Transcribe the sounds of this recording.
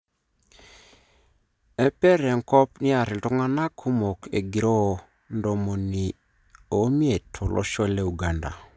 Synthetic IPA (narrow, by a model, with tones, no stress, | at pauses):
e˦pe˦ɾe˨ŋkɔ˦pni˦a˨ɾi˨ltu˦ŋa˦na˦kʰu˦mo˨ke˨ɡi˨ɾo˦˨ | ndɔ˨mo˨ni˨ | o˨˦mi˦e˨tʰo˨lʔɔ̰˦ʃɔ˦le˦˨u˨ɡa˨nda̰˨